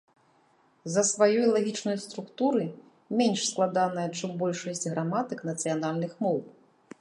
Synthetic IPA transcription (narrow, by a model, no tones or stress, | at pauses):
zɐsvajɔjlˠaɣʲit͡ʂnɐjst̪ɾukt̪uɾɨ | mʲenʲʂsklˠad̪anɐjɐt͡ʂɨmbɔlʲʂɐsʲt͡sʲɣɾamat̪ɨknɐt̪sɨjanalʲnɨxmɔw